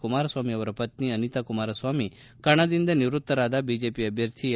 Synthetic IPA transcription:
kumaɾɐsʋaːmiɐʋɐɾɐpɐt̪̚niɐnit̪akumaɾɐsʋaːmi | kɐɽ̃ad̪ind̪ɐniʋɾut̪ːɐɾad̪abid͡ʒepiɐbʱjɐɾt̪ʰi

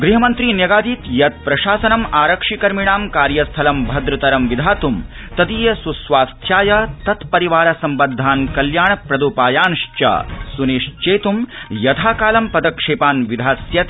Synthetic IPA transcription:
ɡɾiɦɐmɐnt̪ɾiːnjɐɡaːd̪iːt̪jɐt̪̚pɾɐʃaːsɐnɐmaːɾɐkʂikɐɾmiɳ̃aːmkaːɾjɐst̪ʰɐlɐmbʱɐd̪ɾɐt̪ɐɾɐmʋid̪ʱaːt̪um | t̪ɐd̪iːjɐsusʋaːst̪ʰjaːjɐt̪ɐt̪pɐɾiʋaːɾɐsɐmbɐd̪ʱːaːnkɐljaːɳɐpɾɐd̪uːpaːjaːnʂt͡ʃɐ̰suneːʂt͡ʃeːt̪umjɐt̪ʰaːkaːlɐmpɐd̪ɐkʂeːpaːnʋid̪ʱaːsjɐt̪

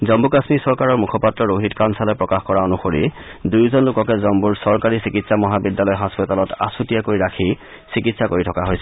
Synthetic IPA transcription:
zɔmbukasmisɔɹkaɹɔɹmukʰɔpatːɹɔɹoɦitkansalɛpɹɔkaxkɔɹaonuxoɹḭ | dujzɔnlʊkɔkɛzɔmbuɹsɔɹkaɹisikitsamɔɦabidːalɔjɦɔspɔtalɔta̰sutijakoɹiɹakʰi | sikitsakoɹitʰɔkaɦojsɛ

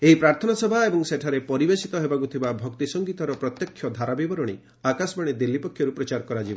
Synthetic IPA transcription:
eipɾaɾt̪ʰɔnasɔbʱaebɔŋseʈʰaɾepɔɾibesit̪ɔɦebaɡut̪ʰibabʱɔkt̪isɔŋɡit̪ɔɾɔpɾɔt̪jɔkʰːjɔd̪ʱaɾabibɔɾɔɽ̃i | akasbaɽ̃ed̪ilːipɔkʰjɔɾupɾɔt͡ʃaɾkɔɾad͡ʒibɔ

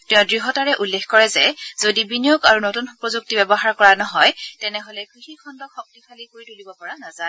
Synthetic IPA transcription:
tɛ̃ʊ̃dɹiɦɔtaɹɛʔulːexkɔɹɛzɛzodibinijɔkaɹunotunpɹozuk̚tibɛbɔxaɹkɔɹanɔɦɔjtɛnɛɦolɛkɹixikʰɔndɔkxɔk̚tikʰalikoɹitulibɔpɔɹanaza

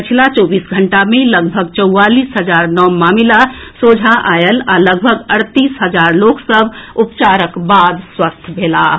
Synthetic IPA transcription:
pət͡ʃʰilat͡ʃɔːbiːsɡʱəɳʈamẽləɡbʱəɡt͡ʃəʊwaliːsɦəd͡ʒaːɾnɔmaːmilasod͡ʒʱaʔaːjəlaləɡbʱəɡəɾt̪iːsɦəd͡ʒaːɾloksəbʱupt͡ʃaːɾəkbaːd̪swəst̪ʰbʱela

